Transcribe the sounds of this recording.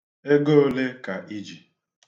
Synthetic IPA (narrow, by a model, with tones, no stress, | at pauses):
e˦ɡo˦o˦le˦ka˨ʔi˦d͡ʒi˨